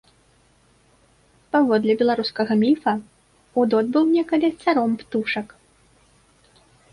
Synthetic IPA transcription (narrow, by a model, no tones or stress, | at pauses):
pavɔd̪lʲɛbʲɛlˠaɾuskɐɣɐmʲifɐ | ud̪ɔd̪bɨwnʲɛkɐlʲit̪saɾɔmpt̪uʂɐk